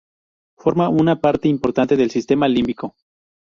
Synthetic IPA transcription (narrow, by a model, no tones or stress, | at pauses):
fo̞ɾmaunapaɾt̪e̞impo̞ɾt̪ant̪e̞ðe̞lsist̪e̞malimbiko̞